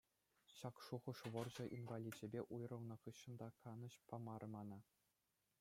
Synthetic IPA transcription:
ɕɑkʂuʁɤ̆ʂʋɤ̆rʑɤ̆ʔinvɑlʲid͡ʑɘ̆bʲeʔujrɤ̆lˠnɤ̆χɯɕːɤ̆nd̪ɑkɑnɤ̆ɕpɑmɑɾɤ̆mɑnɑ

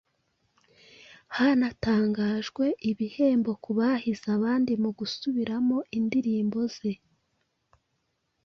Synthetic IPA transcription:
haːnataːŋɡaːʒɡwe̞ʔiβihe̞ːmbo̞kuβahizaβaːndimuɡusuβiɾamo̞ʔindiɾiːmbo̞z̥e̞

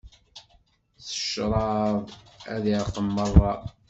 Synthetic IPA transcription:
θə̥ʃɾˤɑðˤæðiʕqːəmːərˤːɑ

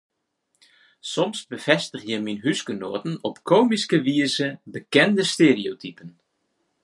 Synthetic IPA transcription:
sɔmsbəv̥ɛstəχjəminɦyskənoːtən̩ɔpkʰoːmiskəʋiəzəbəkɛndəsteːriowtipən

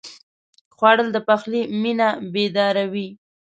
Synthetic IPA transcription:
xwɑɽəld̪əpaxliminabed̪ɑɾawi

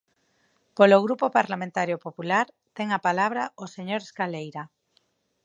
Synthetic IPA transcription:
poloɣɾupopaɾlamẽnt̪aɾjopopulaɾ | t̪ɛŋapalaβ̞ɾaoseɲoɾeskalejɾa

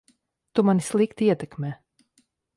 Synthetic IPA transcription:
t̪umanislˠikt̪iiɛt̪ɛkmʲɛː

